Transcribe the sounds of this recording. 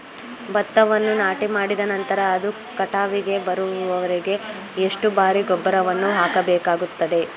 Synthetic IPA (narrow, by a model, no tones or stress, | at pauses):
bɐt̪ːɐʋɐnːunaːʈimaːɽid̪ɐnɐnt̪ɐɾɐːd̪u | kɐʈaːʋiɡe̞bɐɾuuʋɐʋɐɾiɡe̞ː | ʂʈubaːɾiɡɔbːɐɾɐʋɐnːuɦaːkɐbɛːkaːɡut̪ːɐd̪e̞